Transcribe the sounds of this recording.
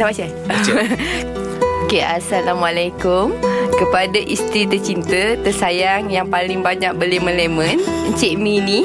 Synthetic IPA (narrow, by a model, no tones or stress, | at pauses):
damat͡ʃa | okeasalamwalakʊmkəpadaʔist̪ɾit̪ət͡ʃint̪ət̪əsajaŋjaŋpalɪŋbaɲãk̚bəlemə̃lɛmə̃nɲt͡ʃɛʔmini